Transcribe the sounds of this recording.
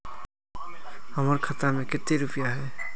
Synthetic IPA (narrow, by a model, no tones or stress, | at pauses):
həməɾkʰət̪əɾmẽkɪt̪ːeɾʊpijaɦɛː